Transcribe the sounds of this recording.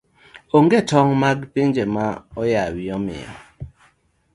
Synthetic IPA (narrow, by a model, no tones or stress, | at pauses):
oŋɡɛtɔŋmaɡpend͡ʒemaɔjawiɔmḭɔ̰